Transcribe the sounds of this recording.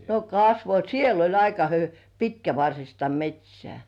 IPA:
no kɑsʋo siel olʲ ɑikɑ hy pitkæʋɑrsistɑ metʲsʲĕæˑ

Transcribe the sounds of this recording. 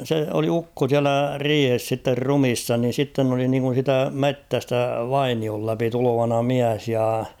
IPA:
se oli ukːo siælæ riːhes sitːer rumisːɑ ni sitːen oli niŋkun̞ siːtæ metːæstæ ʋɑiniol læpi tulo̝ʋɑnɑ miæs jɑ

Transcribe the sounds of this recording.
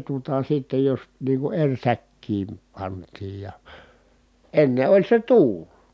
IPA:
tuotɑ sitːej jos niː ku erʲ sækːiːm pɑntˑiːj jɑ enːe olʲ se tuːl

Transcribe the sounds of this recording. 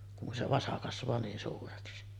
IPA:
kun se ʋɑsɑ kɑsʋˑɑː niːn suːreksi

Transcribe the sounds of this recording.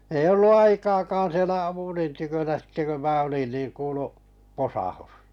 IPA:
ei olːu ɑikɑːkɑːn̞ sielæ ɑpulin tykønæ sĭtːe kø mæː olin niːn kuːlu posɑhus

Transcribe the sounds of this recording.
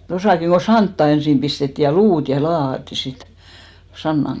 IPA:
tosɑˑkiŋ ɡ̊o sɑntːɑ ensim pistetːi jɑ luːt jɑ lɑːhɑtːi sit sɑnːɑŋ

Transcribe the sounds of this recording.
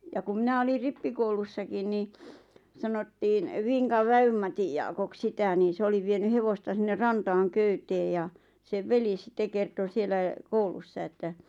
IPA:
jɑ kum mĭnæ olir ripːikoulusːɑkin ni sɑnotːiːn ʋiŋkɑʋ ʋæymːɑtij jɑːkok sitæ niː se oli ʋieny heʋostɑ sinːer rɑntɑːŋ køyteː jɑ seʋ ʋeli sĭtːe kerto sielæ koulusːɑ etːæ

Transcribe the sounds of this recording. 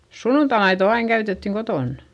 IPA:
sunːuntɑmɑito ɑiŋ kæytetːiŋ kotoˑn

